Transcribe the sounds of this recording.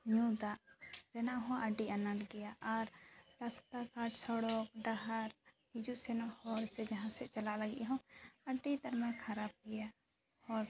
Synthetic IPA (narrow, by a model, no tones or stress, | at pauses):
ɲũd̪aʔɾɛnaʔɦɔ̃ʔaɖianaʈɡɛjaʔaɾɾast̪akaɖsɔɽɔk̚ɖaɦaɾhid͡ʒuʔsɛnɔhɔɾsɛd͡ʒaɦãsɛʔt͡ʃalaʔlaɡḭʔɦɔ̃əɖit̪aɾmɛkʰaɾap̚ɡɛja | hɔɾ